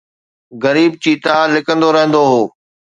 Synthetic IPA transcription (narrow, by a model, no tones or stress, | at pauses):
ɣɐɾiːb̚t͡ɕiːt̪alɪkə̃nd̪oɾɐɦə̃nd̪oɦoː